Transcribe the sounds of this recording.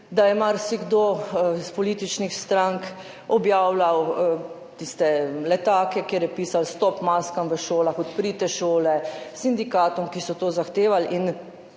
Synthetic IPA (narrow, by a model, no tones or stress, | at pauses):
d̪ajɛmaɾsiɡd̪oːspɔliːt̪it͡ʃnixst̪ɾaŋk | ɔbjaːwlaw | t̪ist̪ɛlɛt̪aːkɛkjeːɾjɛpiːsalst̪ɔpmaːskamʋəʃoːlaxɔt̪pɾiːt̪ɛʃoːlɛsind̪ikaːt̪ɔmkisɔt̪oːzaxt̪eːʋalin